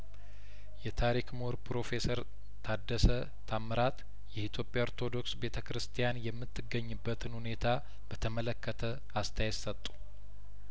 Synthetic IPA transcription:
jɛt̪ʰaɾikmoɾpɾo̞fe̞səɾ | t̪ʰad̪ːəsə | t̪ʰamːəɾat̪ | jɛhit̪ʰjo̞pʼjaoɾt̪ʰo̞d̪o̞ksbe̞t̪ʰəkɾɨst̪ʰijanjɛmːɨt̪ːɨɡːəɲːɨbːət̪ʰɨnhune̞t̪ʰa | bət̪ʰəmələkʰːət̪ʰə | ast̪ʰajɛt̪sət̪ʼːu̥

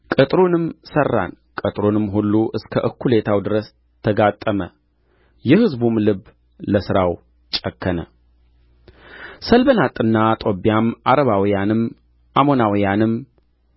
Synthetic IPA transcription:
kʼɨt̪ʼɾunɨmsərːa̰nkʼət̪ʼɾonɨmɦulːuʔɨskʰəʔɨkːule̞t̪ʰawd̪ɨɾəs | t̪ʰəɡat̪ʼːəmə | jɛhɨzbumlɨb | ləsɨɾaw | t͡ʃʼəkʰːənə | səlbənat̪ʼɨnːat̪ʼo̞bjamaɾəβawijanɨm | ʔamo̞nawijanɨm

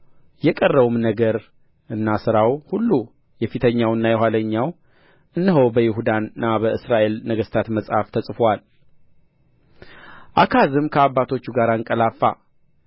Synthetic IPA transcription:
jɛkʼərːəβumnəɡəɾ | ʔɨnːasɨɾawhulːu | jɛfit̪ʰəɲːawɨnːajɛɦaləɲːaw | ʔɨnːɨɦowbəjɪɦud̪anːabəʔɨsɾaʔe̞lnəɡəst̪ʰat̪məsʼhaft̪ʰəsʼfwal | ʔakʰazɨmkʰəabːat̪ʰo̞t͡ʃːuɡaɾaɨŋkʼəlafːa̰

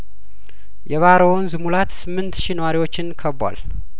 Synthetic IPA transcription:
jɛβaɾownzɨmulat̪sɨmːɨnt̪ʃinəwaɾiwo̞t͡ʃːɪnkʰəbwa̰l

